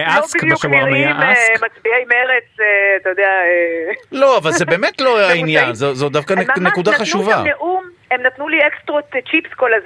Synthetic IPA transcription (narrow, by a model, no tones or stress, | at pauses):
easkmʃaamajaʔasmat͡sbiaimeʁet͡seat̪ajod̪eaelo̞avalzebe̞ːmetloainjanzozod̪afkanenekudaχaʃʃuvaneʔum | emnat̪nuliekstʁott͡ʃipskolaz